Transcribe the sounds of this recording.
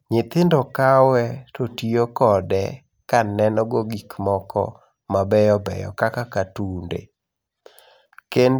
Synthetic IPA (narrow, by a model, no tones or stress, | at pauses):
ɲɪt̪ɪndɔkawɛtotiokɔdɛ̰ | kanɛnɔɡoɡikmɔkɔ̰ | mabɛjɔbɛ̰jɔ̰kakakatundḛ | ken